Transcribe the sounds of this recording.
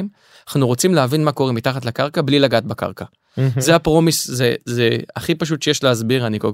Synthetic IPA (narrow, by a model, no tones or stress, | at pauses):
m | aχnuʁo̞t͡simleavinmako̞ʁemitaχatlakaʁkablilaɡat̪̚baka̰ʁka | zeapʁo̞miszezeaχipaʃ̬ut̪ʃejeʃleazbiʁaniko